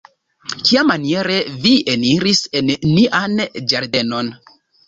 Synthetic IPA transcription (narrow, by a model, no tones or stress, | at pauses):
kiamanie̞ɾevieniɾise̞nːiʔand͡ʒaɾde̞no̞n